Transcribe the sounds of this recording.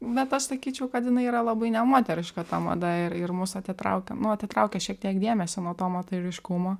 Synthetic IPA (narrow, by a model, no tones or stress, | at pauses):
bʲɛt̪ɐʃsɐkʲiːt͡ʃʲɛʊkɐt̪jɪnɐɪiːɾɐlˠɐbɐɪnʲɛmoːt̪ʲɛɾʲɪʃkɐt̪ɐmɐ̰d̪ɐɪɾɪrmʊsɐt̪ʲɪt̪ɾɐ̰ʊkʲɛnʊɐt̪ʲɪt̪ɾɐʊkʲɛʃʲiɛk̚t̪ʲiɛkd̪ʲeɛmʲɛsʲonoːt̪oːmɐt̪ɐɪɾʲɪʃkʊmoː